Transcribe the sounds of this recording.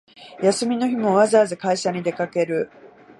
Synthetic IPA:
jasɨmʲino̞çimo̞βazaːzɨkaiɕaɲ̟id̪e̞kake̞ɾɯ̟

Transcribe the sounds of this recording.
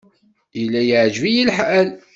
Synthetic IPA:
ilːæjəʕd͡ʒvijilħʔæl

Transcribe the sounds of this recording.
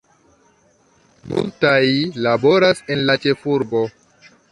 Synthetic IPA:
mṵltajlabo̞ɾase̞nlat͡ʃe̞fuɾbo̞

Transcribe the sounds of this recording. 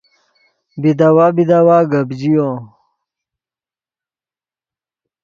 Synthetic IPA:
bid̪awabid̪awaɡɐbd͡ʑijo

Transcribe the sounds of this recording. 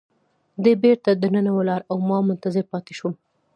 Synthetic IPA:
d̪ebeɾt̪ad̪ənənawalɑɾawmɑmʊnt̪azɪɾpɑt̪ɪ̥ʃum

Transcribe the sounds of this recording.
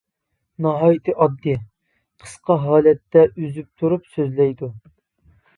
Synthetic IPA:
nɑɦɑːjit̪ʰɨʔɑb̚d̪ɨ | qʰə̥sqɑɦɑːlɛt̪ːɛʔyzyp̚t̪ʰuɾupsøzlɛjd̪u

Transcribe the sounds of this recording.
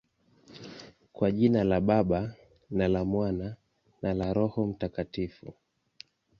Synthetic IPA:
kwaʄinalaɓaɓa | nalamwana | nalaɾɔhɔm̩takatifu

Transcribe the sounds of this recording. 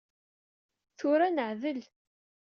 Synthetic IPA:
θʊɾanəʕðəl

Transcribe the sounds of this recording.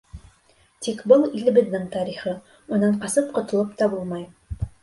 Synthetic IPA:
t̪ikbɤlˠilɘ̆bɘ̆ðːɘŋt̪ɑɾiχɤ | ŭnɑɴqɑsɤp̚qŏt̪ɤ̆lˠɤpt̪ɑbulˠmɑj

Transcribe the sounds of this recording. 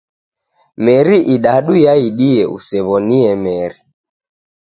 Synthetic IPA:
mɛɾiʔiɗaɗujaiɗiɛṵsɛβɔniɛmɛɾi

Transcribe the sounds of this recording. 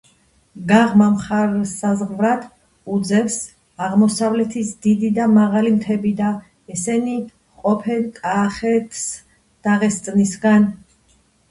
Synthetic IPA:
ɡaʁmamχaɾsazʁvɾat̪ʰ | ud̪zɛfs | aʁmɔsavlɛt̪ʰisd̪id̪id̪amaʁalimt̪ʰɛbid̪a | ɛsɛni | qʼɔpʰɛnkʼaχɛt̪ʰs | d̪̥aʁɛst̪sʼnisɡan

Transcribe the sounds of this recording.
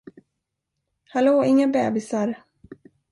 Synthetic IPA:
hɛloːɪŋːabɛ̰ːbɪsaɾ

